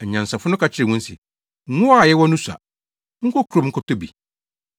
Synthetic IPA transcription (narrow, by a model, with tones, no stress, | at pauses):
ɛ˨ɲã˨n̩˨sa˨fʊ˦nʊ̃˦ka˨t͡ɕʰɪ˦ɾɛ˨ŋʊ̃˦n̩˦sɪ̰˨˦ | ʊ̃˦a˦˨jɛ˦wɔ˦nũ˦sa̰˨ | ŋ̩˦kʰɔ˦kʰu˨ɾo˨ŋ̩˦kʰɔ˦tɔ˦bi˨